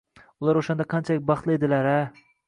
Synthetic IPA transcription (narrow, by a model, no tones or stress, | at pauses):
ʊlˠaɾoʃand̪aqʰɑnt͡ʃʰalɪk̚ʲbɑχt̪lˠɪed̪ɪlaɾa